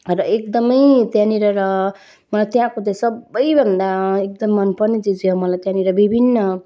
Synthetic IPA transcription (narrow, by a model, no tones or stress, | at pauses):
ɾʌek̚d̪ʌmʌjt̪jãniɾʌɾʌ | mʌlajt̪jɦãkot͡sajsʌbʌjbʱʌnd̪aek̚d̪ʌmːʌnpʌrnet͡sid͡ziɦomʌlajt̪jãniɾʌbibʱinːʌ